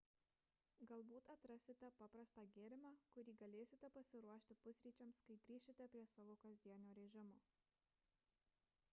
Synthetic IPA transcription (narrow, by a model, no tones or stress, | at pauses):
ɡɐlˠbuːt̪ɐt̪ɾɐsʲɪt̪ʲɛpɑpɾɐst̪ɑːɡʲeːɾʲɪmɑːkʊɾʲiːɡɐlʲeːsʲɪt̪ʲɛpɐsʲɪɾuɔʃʲt̪ʲɪpʊsʲɾʲiːt͡ʃʲɛmskɐɪd̪ʲɾʲiːʃʲɪt̪ʲɛpʲɾʲiɛsɑːʋoːkɐzʲd̪ʲiɛnʲoːɾʲɛʒʲɪmoː